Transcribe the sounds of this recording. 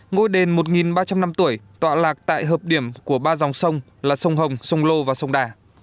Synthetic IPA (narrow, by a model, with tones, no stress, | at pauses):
ŋo˧jɗe˨˩nmo˨˩t̚ŋi˨˩nɓaː˧t͡ɕa˧mna˧mt̪u˧˩əjt̪wa̰ː˧˨laː˨˩k̚t̪a̰ː˧˨jɦəː˨˩p̚ɗi˧˩əmku˧˩əɓaː˧za˨˩wŋ͡msə˧wŋ͡m | laː˨˩sə˧wŋ͡mɦə˨˩wŋ͡msə˧wŋ͡mlo˧vaː˨˩sə˧wŋ͡mɗaː˨˩